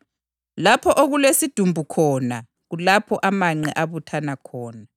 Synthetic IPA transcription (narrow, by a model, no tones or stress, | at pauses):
lapʰɔʔoɣulesid̥ʱumbʱukʰɔːna | ɣulapʰɔʔamaŋ͡ǀɛ̰ʔaβutʰanakʰɔːna